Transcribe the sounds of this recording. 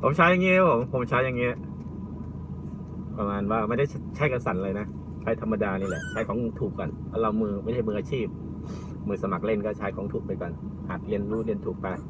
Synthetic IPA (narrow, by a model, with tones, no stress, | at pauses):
pʰo˨˦mt͡ɕʰaː˦˥ja˨˧ŋi˦˥˧o˨˩˦ŋpʰo˨˩˦mt͡ɕʰaː˦˥ja˨˧ŋi˦˥˨ | pa˧maː˧nwaː˧˩ma˧nda˥˩t͡ɕʰa˦˥jka˧nsa˨˩˦nlɤː˧jna˦˥ | t͡ɕʰaː˦˥˩jt̪ʰa˧mːa˧daː˧niː˧˥˩lɛ˨˦ʔt͡ɕʰaː˦˥˩jkʰɔː˩˦ŋ˧t̪ʰuː˨˩kka˧˩npʰaː˧˩la˧wmɯː˧ma˥˩˨t͡ɕʰa˧˥˩mː˧ʔaː˧t͡ɕʰiː˥˩p̚ | mɯː˧sa˧ma̰˨˩k̚le˥˩nkɔː˥˩t͡ɕʰaː˦˥jkʰɔː˩˦ŋt̪ʰuː˨˩k̚pa˧jkɔ˨˧˩nhaː˨˩t̪̚li˧ənɾuː˦˥li˧ənt̪ʰuː˨˩k̚pa˧j